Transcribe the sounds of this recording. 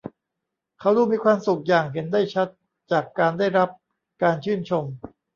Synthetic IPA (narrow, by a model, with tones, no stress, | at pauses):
kʰa˦˥wduː˥˩miː˧kʰwaː˧msu˨˩k̚jaː˨˩ŋɦe˩˦nda˥˩jt͡ɕʰa˦˥t̪̚ | t͡ɕaː˨˩kːaː˧ndaː˥˩jɾa˦˥p̚ | kaː˧nt͡ɕʰɯː˥˩nt͡ɕʰo˧m